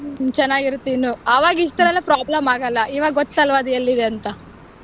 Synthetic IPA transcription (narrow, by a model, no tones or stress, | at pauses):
t͡ʃɛnːaːɡiɾt̪iːnuaːʋaːɡis̬t̪ɐɾɐlːepɾaːblɐmaːɡɐlːɐʔiːʋaːɡɐɡot̪ːɐlʋad̪ɐelːid̪eɐnt̪ɐ